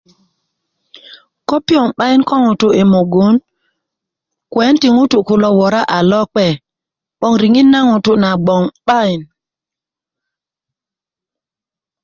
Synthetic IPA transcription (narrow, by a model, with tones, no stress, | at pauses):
kɔ˦pi˦ɔ˨ŋɓa˦ɪ˦nkɔ˦ŋu˨tʊ˦e˨mo˨ɡo˦n | kwɛ˨˦nti˨ŋu˦tu˨kʊ˨lɔ˨wɔ˨ɾa˦ʔa˨lɔ˦k͡pɛ˨ | ɓɔ˦ŋɾi˨ŋi˦nːa˦ŋu˨tu˦na˨ɡ͡bɔ˨ŋɓa˦ɪ˨n